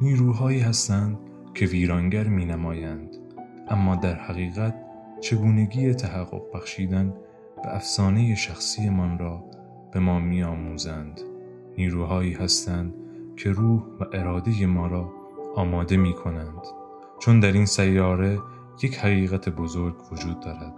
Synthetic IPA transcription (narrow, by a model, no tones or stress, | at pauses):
niːɾuːɦɒːiːhæst̪ænd̪̥ | cʲʰe̞viːɾɒːŋɟæɾmiːnæmɒːjænd̪̥ | ʔæmːɒːd̪æɾhæɣiːɣæt̪̚ | t͡ʃʰe̞ɡuːne̞ɡiːje̞t̪ʰæɦæɣːo̞̰q̚bæxʃiːd̪æn | b̥æ̰æfsɒːne̞jeʃæxsiːe̞mɒnɾɒː | b̥e̞mɒːmiːɒːmuːzænd̪̥ | niːɾuːɦɒːiːhæst̪ænd̪cʰe̞ɾuːhvæʔe̞ɾɒːd̪e̞je̞mɒːɾɒː | ɒːmɒːd̪e̞miːkʰo̞nænd̪̥ | t͡ʃʰond̪æɾinsæjːɒːɾe̞ | je̞cʰhæɣiːɣæt̪ʰebo̞zo̞ɾɡvo̞d͡ʒuːd̪ːɒːɾæd̪̥